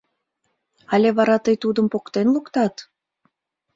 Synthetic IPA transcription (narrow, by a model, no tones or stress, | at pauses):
ɑlʲeβɑɾɑt̪əjt̪ud̪əmpokt̪enlukt̪ɑt̪